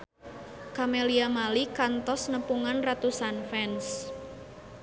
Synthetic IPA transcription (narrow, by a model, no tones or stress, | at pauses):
kameliamalikant̪ɔsnəpuŋanrat̪usanfɛns